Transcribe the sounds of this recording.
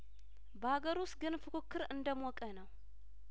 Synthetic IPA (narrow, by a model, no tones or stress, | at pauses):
bɐhaɡɐɾusɡɨnfɨkʰɨkʰːɨɾɨnd̪ɐmwɔkʼːɐnɐw